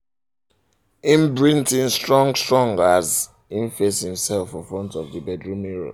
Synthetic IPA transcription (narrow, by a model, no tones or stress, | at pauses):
ĩnbɹĩntĩnstɹɔ̃ŋɡstɹɔ̃ŋɡəz | ĩnfeshĩmsɛlˠfɔ̃nfɹɔ̃ntɔvðəbɛdɹumiɹo̰